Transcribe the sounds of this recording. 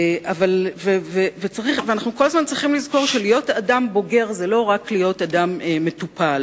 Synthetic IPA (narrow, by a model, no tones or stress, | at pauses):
ʔavalvevevet͡saʁiχveanaχnuko̞lazmant͡sʁiχimlizko̞ʁʃelijo̞tadambo̞ɡe̞ʁzelo̞ʁaklijo̞tadameːetupʰal